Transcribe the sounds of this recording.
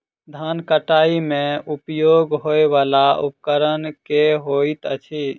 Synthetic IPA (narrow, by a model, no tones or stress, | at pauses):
d̪ʱankəʈaimeupjoɡɦoeβalaṵpəkəɾənkeɦoit̪ə̰t͡ʃʰi